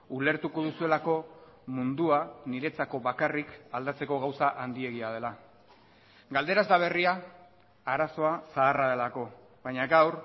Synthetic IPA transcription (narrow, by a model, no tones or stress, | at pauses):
ule̞ɾt̪uko̞ðusue̞lako̞mund̪uaniɾe̞t͡sako̞βakarikald̪at͡se̞ko̞ɣ̞awsaʔand̪ie̞ɣiað̞e̞la | ɡald̪e̞ɾazd̪aβ̞e̞riaː | ɾaso̞asaːraðe̞lako̞ | βaɲaɣawɾ